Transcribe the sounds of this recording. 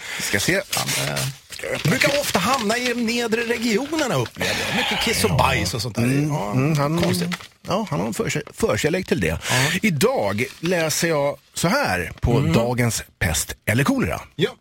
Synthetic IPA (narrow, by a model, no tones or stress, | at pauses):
skajasḛː | d̪ɛbɾʉːkaɔft̪aɦamnaɪd̪ɔmneːd̪ɾəɾɛɡɪuːnəɳaɵpːlḛːvə̰ja̰mʏkːəkʰɪsːɔbajsɔsɔnt̪ʰːɾ̩ːhanɔsjɑːhanhaɾfœːʂɛfœːɾʂɛlɛɡ̚t̪ʰɪld̪ɛ̰ɪd̪ɑːɡlɛːsəjɑ | sɔɦæːɾpʰɔd̪ɑːɡənspʰɛ̰st̪ɛlːəɾkʰuːləɾa̰j